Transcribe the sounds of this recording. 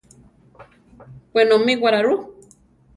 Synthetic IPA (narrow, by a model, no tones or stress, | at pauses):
pʷenomiwaɾaɾu